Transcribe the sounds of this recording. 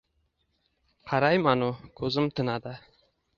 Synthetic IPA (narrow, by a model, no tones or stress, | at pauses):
qʰɑɾajmanʊkʲʰɵzɪmt̪ʰɪnad̪ɪ